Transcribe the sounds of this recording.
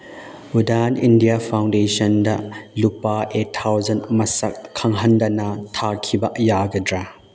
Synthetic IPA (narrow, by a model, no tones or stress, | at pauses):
udanindijapʰawndesɔndɐlupaetʰːawzɐntmɐsɐk̚ʰːɐŋɦɐndɐnɐtʰakʰibɐʔjaɡɐdɾa